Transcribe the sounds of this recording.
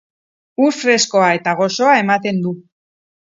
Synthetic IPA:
ufɾe̞sko̞ae̞t̪aɣ̞o̞so̞ae̞mat̪e̞nd̪u

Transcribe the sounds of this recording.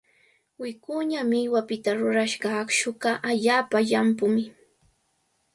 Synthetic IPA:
wɪkʊɲamɪjwapɪt̪aɾʊɾaʃɢɑkʃʊkɑʔaʎaːpaʎampʊmɪ

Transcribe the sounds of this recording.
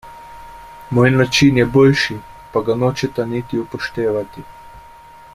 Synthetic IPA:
moːjnat͡ʃinjɛbɔlʃi | paɡanot͡ʃɛt̪anit̪iupɔʃt̪eːʋat̪i

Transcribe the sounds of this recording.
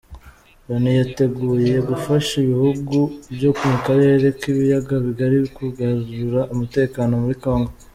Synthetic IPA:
ɾanijate̞ɡuːje̞ɡufaʃiβihuɡubjo̞kumukaɾe̞ːɾe̞kiβijaɡaβiɡaɾiβikuɡazuɾaʔumute̞ːkaːno̞muɾiko̞ːŋɡo

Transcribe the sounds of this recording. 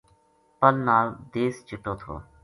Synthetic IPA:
pəlnaːld̪eːst͡ʃʊʈoːt̪ʰo̰ː

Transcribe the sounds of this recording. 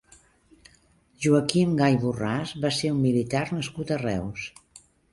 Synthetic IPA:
ʒuəkimɡajβurazβaseɾumːilit̪arnəskut̪ərɛ̰ws

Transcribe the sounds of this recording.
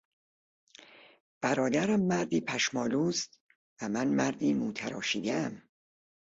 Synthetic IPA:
b̥æɾɒːd̪æɾæmːæɾd̪iːpʰæʃmɒːluːst̪ | væmænmæɾd̪iːmuːt̪ʰæɾɒːʃiːd̪eæm

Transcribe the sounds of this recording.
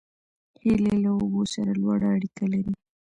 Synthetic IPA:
hilelaʊbosaɾalwɑɽaːɽikalaɾi

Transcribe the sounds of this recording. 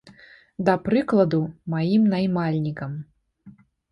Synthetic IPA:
d̪ɐpɾɨklˠɐd̪umajimnajmalʲnʲikɐm

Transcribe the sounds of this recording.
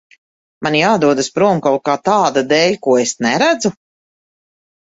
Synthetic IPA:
manjaːd̪uɔd̪aspɾuɔmkaw̚kaːt̪aːd̪ad̪ɛːlʲkuɔesnɛɾæd̪zu

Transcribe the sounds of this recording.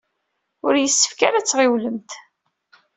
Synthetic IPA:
ʊɾjəsːə̥fkaɾæt͡sːʁɪwləmt̪

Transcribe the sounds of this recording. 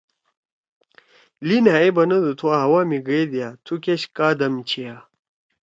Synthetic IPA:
linɦaebɐnɐd̪ut̪ʰuaɦɐwaːmiɡed̪jat̪ʰukʲeɕkaːd̪ɐmt͡ɕʰia

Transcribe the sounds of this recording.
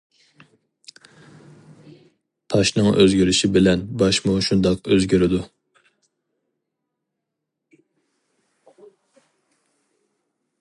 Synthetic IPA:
t̪ʰɑʃnɨŋʔøzɡʲyɾɪʃibɪlɛnbɑʃmuʃund̪ɑqøzɡʲyɾɪd̪u

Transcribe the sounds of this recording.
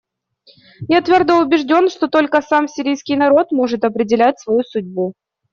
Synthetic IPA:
jat̪vʲord̪əʊbʲɪʐdʲo̞nʂt̪o̞t̪o̞lʲkəsamsʲɪɾʲijskʲɪjnɐɾo̞t̪mo̞ʐɨt̪ɐpɾʲɪdʲɪlʲæt̚ʲsvɐjusʊdʲbu

